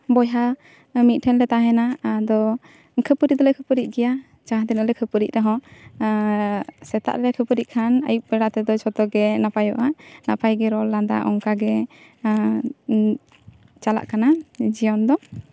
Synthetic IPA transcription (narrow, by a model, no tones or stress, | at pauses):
bɔjɦa | mit̪̚ʈʰɛnɾɛt̪aɦɛnad̪ɔ | kʰəpəɾid̪ɔlɛkʰəpəɾic̚ɡɛja | t͡ʃaɦad̪ɛnəlɛkʰəpəɾic̚ɾɛɦɔ̃ | sɛt̪a̰ʔɾɛɾɛkʰəpəɾiʔ̚kʰana̰juʔ̚pɛɾaʔt̪ɛd̪ɔt͡ʃʰɔt̪ɔɡɛnapajɔ̰ʔanapʰajɡɛɾɔlːand̪a̰ʔɔ̰ŋkaɡɛ | t͡ʃala̰ʔkanad͡ʒijɔnd̪ɔ